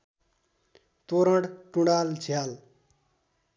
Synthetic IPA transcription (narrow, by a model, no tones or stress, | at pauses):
t̪oɾʌɽʈũɽalt͡sʰijal